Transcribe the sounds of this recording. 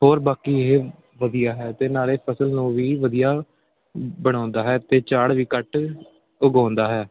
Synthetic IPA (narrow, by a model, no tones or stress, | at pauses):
ɦoːɾbaːkiːɦeː | ʋəd̪ijaːɦɛːt̪eːnaːɾeːpʰəsəlnũːʋiːʋəd̪ijaː | bəɽ̃ãːnd̪aːɦɛːt̪eːt͡ʃaːɽʋiːkəʈ | ʊɡãːnd̪aːɦɛː